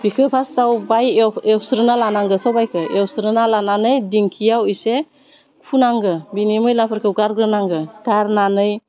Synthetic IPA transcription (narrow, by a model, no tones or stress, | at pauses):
b̥ikʰɯpʰastawbajewsɾɯnalanaŋɡɯsɔwbajkʰɯʔewsɾɯnalananɯjdiŋkʰijawijse | kʰunaŋɡɯbinimɯjlapʰɯɾkʰəwɡaɾɡɾɯnaŋɡɯɡaɾnanɯj